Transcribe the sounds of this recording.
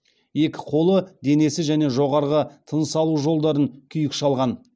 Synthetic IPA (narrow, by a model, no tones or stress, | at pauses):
je̞kʲɪ̥qʰo̞lˠəd̪e̞ne̞sɪʒæne̞ʒo̞ʁɑɾʁət̪ʰənsɑlˠuʒo̞lˠd̪ɑɾənkʲʰʏjɪkʃɑlˠʁɑn